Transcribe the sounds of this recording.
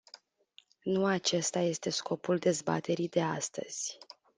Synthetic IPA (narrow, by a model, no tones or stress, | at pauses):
nuat͡ʃe̞st̪aje̞st̪e̞skʰo̞puld̪e̞zba̰t̪e̞ɾid̪e̞ast̪ə̰z̥ʲ